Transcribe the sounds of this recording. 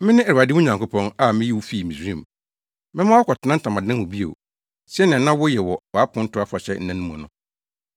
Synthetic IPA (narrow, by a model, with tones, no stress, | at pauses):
mɪ̃˦nɪ̃˦ɛ˨ɾa˨dɪ˦wʊ̃˦ɲã˨ŋkʊ˦pʰɔ̃˦na˦mɪ̃˦ji˦wʊ˦fi˦˨mĩ˨sĩ˦˨m˨ | mɪ̃˦mã˦wɔ˦kʰɔ˨tʰɪ˨nã˦n̩˦tʰã˨mã˨dã˦n˨wʊ̃˨bi˦o̰˨ | si˦ɛ˦nã˨nã˦wʊ˦jɛ˨wɔ˨wɔ˨a˦pʰʊ̃˦n̩˦tʰʊ˦a˦fa˨ɕɛ˦n̩˦nã˦nʊ̃˦mũ˨ã˨nʊ̃˦